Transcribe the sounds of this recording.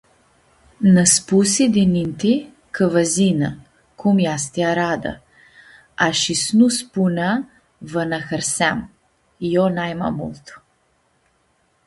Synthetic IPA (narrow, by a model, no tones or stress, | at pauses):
naspusid̪inint̪i | kəvɐzina | kʰumjast̪iaɾad̪a̰ | aʃisnuspuna | vənaxəɾsɛm | jɔnajma̰mṵlˠt̪ʰɔ̥